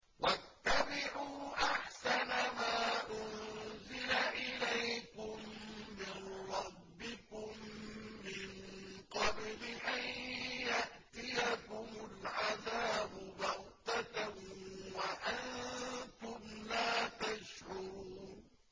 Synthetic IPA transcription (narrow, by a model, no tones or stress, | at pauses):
wat̪ːabɪʕuːʔaħsanamaːʔʊnzɪlaʔɪlajkʊmːɪnɾˤɑbːɪkʊmː | ɪnqɑblɪʔanjaʔt̪ɪjakʊmʊlʕaðaːbʊbɑɣt̪at̪awaʔant̪ʊmlaːt̪aʃʕʊɾuːn